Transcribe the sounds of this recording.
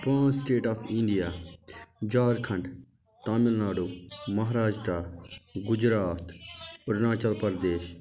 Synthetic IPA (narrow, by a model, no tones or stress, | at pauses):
pãːsʈeːʈaːfʰĩɳɖijaː | d͡ʒaːɾkʰɐ̃ɳɖ | t̪aːmɪlnaːɽoːmɐɦɾaːd͡ʒʈaːɡʊd͡ʒɾaːt̪ʊɾnaːt͡ʃəlpəɾd̪eːʃ